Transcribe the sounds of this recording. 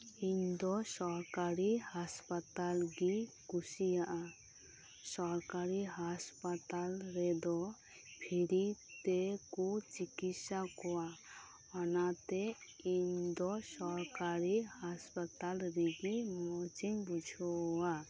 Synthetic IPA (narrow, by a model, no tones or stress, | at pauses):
iɲd̪ɔsɔɾkaɾihaspat̪alɡi | kusijaʔa | sɔɾkaɾiɦaspat̪alɾɛd̪ɔ | bʰʱiɾit̪ɛkut͡ʃikitsakɔwa | ɔnat̪ɛ | iɲd̪ɔsɔɾkaɾihaspat̪alɾiɡimɔt͡ʃiŋbud͡ʒʱɔwa